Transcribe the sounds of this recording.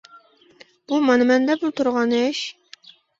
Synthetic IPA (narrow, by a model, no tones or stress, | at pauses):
b̥umɑnɨmɛnd̪ɛbulˠt̪ʰuɾʁɑnɛʃ